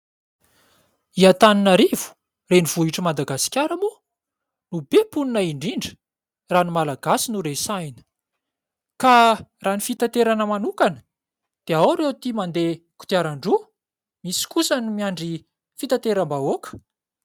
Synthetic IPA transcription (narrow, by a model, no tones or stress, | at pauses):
iat̪aninaɾivu̥ | reniv̥uɦiʈ͡ʂəmad̪aɡasi̥kʲjaɾəmu | nubepuninaiɳɖ͡ʐiɳɖ͡ʐə̥ | ranimalaɡasinuɾesajnə̥ | karanifit̪at̪eɾanəmanukanə̥ | d̪̥eawɾewt̪imand̪e | ku̥t̪iaɾaɳɖ͡ʐu | misi̥kusənimiaɳɖ͡ʐi | fit̪at̪eɾambaokə̥